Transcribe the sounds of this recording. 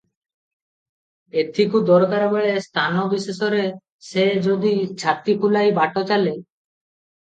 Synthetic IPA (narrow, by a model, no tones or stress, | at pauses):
et̪ʰikud̪ɔɾkaɾbeɭest̪ʰanɔbisesɔɾe | sed͡ʒod̪it͡ʃʰat̪ikulajbaʈɔt͡ʃale